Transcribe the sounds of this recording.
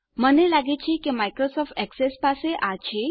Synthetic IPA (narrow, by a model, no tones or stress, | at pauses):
mənelaɡet͡ɕikimajkɾosɔfʈɛksespaseʔat͡ɕe